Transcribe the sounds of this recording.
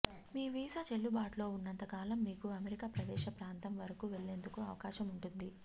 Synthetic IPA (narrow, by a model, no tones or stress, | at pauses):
miːʋiːsat͡ʃe̞ɭːubaːʈlo̞ːunːɐnt̪ɐkaːlɐmːiːkuɐmeɾikaːpɾɐd̪ɛːʃɐpɾaːnt̪ɐmʋɐɾɐkuːʋe̞ɭːe̞ːnd̪ukuɐʋɐkaːʃɐmuɳʈund̪i